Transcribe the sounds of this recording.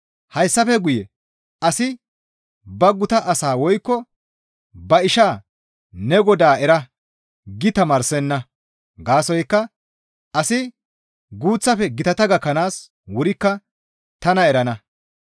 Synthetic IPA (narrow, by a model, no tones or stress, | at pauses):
hɐjsːɐfɛɡʊjɛ | ɐsɪ | bɐɡʊt̪ɐʔɐsaːwɔjkːɔ | bɐɪʃaː | nɛɡɔd̪aːɛɾɐ | ɡɪt̪ɐmɐːɾsɛnːɐ | ɡaːsɔjkːɐ | ʔɐsɪ | ɡuːt͡sːɐfɛɡɪt̪ɐt̪ɐɡɐkːɐnaːs | wʊɾɪkːɐ | t̪ɐnɐɛɾɐnɐ